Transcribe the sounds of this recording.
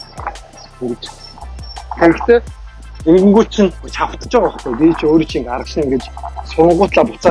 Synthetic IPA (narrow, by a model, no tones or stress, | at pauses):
ŋ | xeɾɘ̆kt̪eː | eŋɡɵ̆ŋɡuːɬt͡ɕʰĭnt͡ɕʰaw̥t̪ə̆t͡ɕɪʁɔχt̪ejt̪iːt͡ɕʰoːɾit͡ɕʰiŋkaɾə̆ʃ̆nŋɡet͡ɕsɔɴɢʊːt̪ɮaːpʊt͡saː